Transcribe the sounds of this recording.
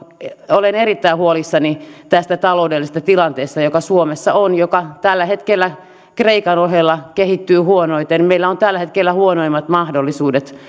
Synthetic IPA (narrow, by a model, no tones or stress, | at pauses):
olenerit̪ːæihuolisːɑnit̪æst̪æt̪ɑloudelːist̪ɑt̪ilɑnt̪eːst̪ɑjokɑsuomesːɑonjokɑt̪ælːæhet̪kelːæ | kreikɑnoɦelːɑkehit̪ːyːhuonoit̪enmeilːæont̪ælːæhet̪kelːæhuonoimːɑt̪mɑhdolːisuːdet̪